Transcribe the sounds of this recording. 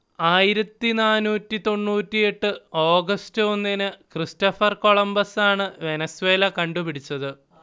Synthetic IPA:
aːjiɾɐt̪ːinaːnuːtːit̪o̞ɳːuːtːije̞ʈːɨo̞ːɡɐstɨo̞nːinɨkristɐfɐrko̞ɭɐmbɐsaːɳɨʋe̞nɐsuwe̞ːlɐkɐɳɖupiɽit͡ɕːɐðɨ

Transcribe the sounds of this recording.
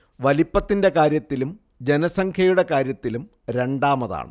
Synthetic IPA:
ʋɐlipːɐt̪ːinde̞kaːɾjɐt̪ːilum | d͡ʑe̞nɐsɐŋkʰjɐjuɽe̞kaːɾjɐt̪ːilum | ɾe̞ɳɖaːmɐða̰ːɳɨ̰

